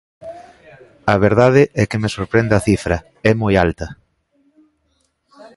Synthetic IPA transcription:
ɐβeɾðað̞ɪʔɛkɪmesoɾpɾend̪ɐθifɾɐ | ɛmojalt̪ɐ

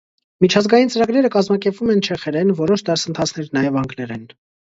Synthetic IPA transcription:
mit͡ʃʰɑzɡɑjint͡səɾɑɡɾɛɾəkɑzmɑkɛɾpvumɛnt͡ʃʰɛχɛɾɛnvɔɾɔʃd̪ɑɾsənt̪ʰɑt͡sʰnɛɾnɑjɛvɑŋɡlɛɾɛn

